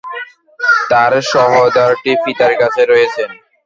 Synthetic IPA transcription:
t̪aɾʃɔɦod̪aɾʈifit̪aɾkat͡ɕʰeɾɔjet͡ɕʰen

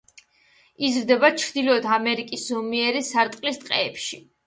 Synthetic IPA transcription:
izɾd̪ɛbat͡ʃʰɾd̪ilɔd̪ʰamɛɾikʼiszɔmiɛɾisaɾt̪ʼqʼlist̪ʼqʼɛːpʃi

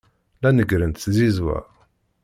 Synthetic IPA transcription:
lænəɡɾənt̪ːzizwæ̰

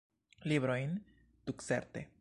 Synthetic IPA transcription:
libɾo̞jn | tukse̞̰ɾtḛ

